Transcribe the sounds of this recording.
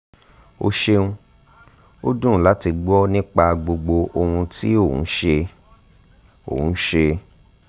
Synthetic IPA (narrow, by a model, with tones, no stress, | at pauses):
o̰˧ʃe˧ũ˧ | o˦dũ˦˨˦la˨˦ti˧ɡ͡bu˦ɔ˦nĩ˦k͡pa˧ɡ͡bo˧ɡ͡bo˧o˧hũ˧ti˦o˦˨ṵ̃˨˦ʃe˧ | õ̰˦˨˦ʃe˧